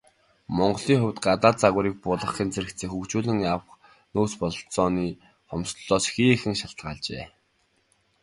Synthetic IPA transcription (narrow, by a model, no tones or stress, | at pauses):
mɔɴɢɞ̆ɮiːŋχʊwʲt̪ɢat̪aːt͡saɣʊɾiːk̚pʊːɮə̆χiːnt͡sʰeɾɘ̆kt̪t͡seːxukt͡ɕuːɮɘ̆ŋjawχ | noːspɔɮɞ̆ɬt͡sɔːniː | χɔmsɮɔːsxiːxɘ̆ŋʃaɬt̪ʁaːɮt͡ɕḛː